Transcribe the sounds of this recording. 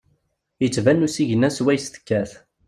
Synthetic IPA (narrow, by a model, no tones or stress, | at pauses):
jət͡sːvænːusiʝənːæswæjst̪ə̥kːæθ